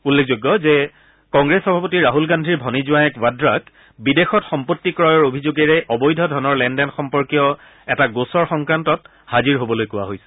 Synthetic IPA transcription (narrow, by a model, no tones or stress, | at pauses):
ulːekʰzoɡːɔzɛ | kɔŋɡɹesxɔbʱapotiɹaɦulɡandʱɹiɹbʱɔnizʊwajɛkwadɹak | bidexɔtxɔmpotːikɹɔjɔɹobʱizoɡɛɹɛʔɔbɔjdʱɔdʱɔnɔɹlɛndɛnxɔmpɔɹkijɔ | ɛtaɡosɔɹxɔŋkɹantɔt | haziɹɦobɔlojkʊwa̰ɦojsɛ̥